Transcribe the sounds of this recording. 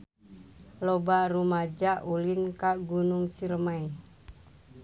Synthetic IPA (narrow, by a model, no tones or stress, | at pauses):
lɔbaɾumad͡ʒaʔulinkaɡunuŋsiɾəmai